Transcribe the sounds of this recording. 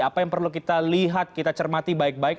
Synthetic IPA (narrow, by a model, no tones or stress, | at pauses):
apajaŋpərluk̬it̪aliɦat̪̚kit̪at͡ʃərmat̪ibaɪk̚baɪk